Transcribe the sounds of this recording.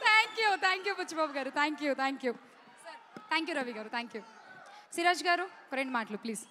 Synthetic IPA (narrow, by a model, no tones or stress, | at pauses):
t̪ʰaːŋkjut̪ʰaːŋkjuːput͡ʃːibaːbɡaːɾut̪ʰaːŋkjut̪ʰaːŋkju | sɐɾt̪ʰaːŋkjuːɾɐʋiːɡaːɾut̪ʰaːŋkju | siɾaːd͡ʒɡaːɾukɐɾeɳʈmaːʈlupliːs